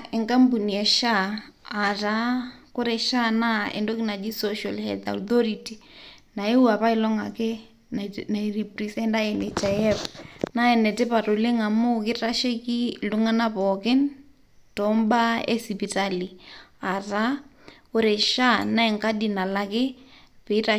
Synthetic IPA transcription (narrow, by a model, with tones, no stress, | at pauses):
ɛ˨ŋka˦mbu˨ni˨ɛ˨ʃaː˦˨ | ta˨˦ko˦ɾɛ˨ʃa˦na˦ɛ̰˨ndo˦ki˦na˨d͡ʒi˦soʃa˨lhɛ̰˨lda̰˨θɔ˦ɾi˨ti˨na˨e˦wa˨pa˦i˦lɔ˦ŋa˨kɪ˦ | na˨i˨ri˨pri˨sɛ˦nda˦ɛ˨ne˨t͡ʃa˨jɛ˦pna˦ɛ˨nɛ˨tɛ˦pa˨ɾo˨le˦ŋa˨mo˦kɪ˦ta˦ʃe˦ki˦lu˦ŋa˦na˦pɔ˨kɪ˦n | tɔmba˦ḛ˦si˨pi˨ta˦li˨a˨ta˦ | ko˦ɾɛ˨ʃa˦na˦ɛ˨ŋka˦di˨na˨la˨kɪ˦pe˨˦ta˨